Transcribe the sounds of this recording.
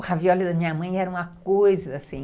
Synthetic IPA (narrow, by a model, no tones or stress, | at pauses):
haviɔlɪd̪ɐmĩɲɐmɐ̃j̃ɛɾɐũmɐkojzɐːsĩ